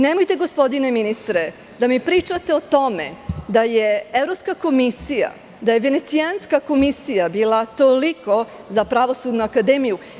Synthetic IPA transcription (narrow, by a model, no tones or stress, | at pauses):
nemojt̪e̞ɡo̞spo̞d̪ine̞minist̪ɾe | d̪amipɾiːt͡ʃat̪e̞ot̪o̞mḛd̪aje̞evɾopskako̞misija̰ | d̪aje̞ʋe̞ne̞t̪sianskako̞misijabiːlat̪o̞liko̞ | zapɾaʋo̞sud̪nuakad̪e̞ːmiju